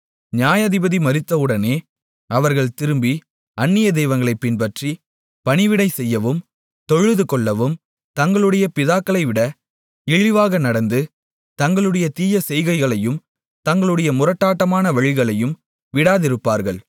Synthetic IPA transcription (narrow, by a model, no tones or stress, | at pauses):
ɲjaːjɐðɪbɐðimɐɾɪt̪ːɐɯɽɐneː | ɐʋɐɾɣɐɭt̪ɪɾɯmbi | ɐnːɪjɐd̪ɛːʋɐŋɡɐɭɐɪpːɪnpɐʈri | pɐnɪʋɪɽɐɪsɛjːɐʋɯm | t̪ɔɻɯðɯkɔɭːɐʋɯm | t̪ɐŋɡɐɭɯɽɐjɐpɪðaːkːɐɭɐɪʋɪɽɐ | ɪɻɪʋaːɣɐnɐɽɐnd̪ɯ | t̪ɐŋɡɐɭɯɽɐjɐt̪iːjɐsɛjɣɐɪɣɐɭɐjɯm | t̪ɐŋɡɐɭɯɽɐjɐmʊrɐʈːaːʈːɐmaːnɐʋɐɻɪɣɐɭɐjɯm | ʋɪɽaːðɪɾɯpːaːɾɣɐɭ